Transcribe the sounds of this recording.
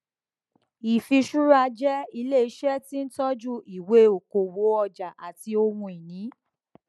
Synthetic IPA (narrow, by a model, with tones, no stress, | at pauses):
i˨fi˧ʃu˦ɾa˧d͡ʒɛ˦i˧le˦˨i˧˦ʃɛ˦tĩ˦n̩˦tɔ˦d͡ʒu˦i˨we˦o˨ko˨wo˨˦ɔ˧d͡ʒa˨ʔa˨ti˧˦o˧mũ˧i˨nĩ˨˦